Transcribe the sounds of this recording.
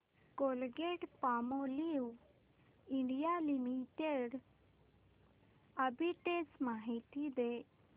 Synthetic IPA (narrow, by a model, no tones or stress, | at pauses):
kolɡeʈpamoliw | iɳɖijalimiʈeɽ | əbiʈesmaɦit̪id̪e